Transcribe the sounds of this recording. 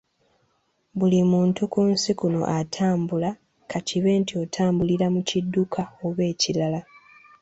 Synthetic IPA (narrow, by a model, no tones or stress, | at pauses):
βulimuːntukunsikuno̞̰ʔatʰaːmbula | kʰaciβe̞ːntio̞tʰaːmbuliɾamucidːukʰao̞βe̞ːcilala